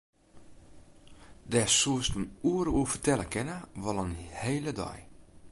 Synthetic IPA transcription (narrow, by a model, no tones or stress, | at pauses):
dɛsuəstənuəɾəuəfərtɛləkɪnəʋɔlˠənheːlədɔ̰j